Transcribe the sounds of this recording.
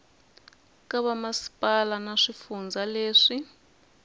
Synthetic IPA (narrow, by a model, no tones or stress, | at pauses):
kaβamasi̥pʼalanaʂifund͡zaleːʂi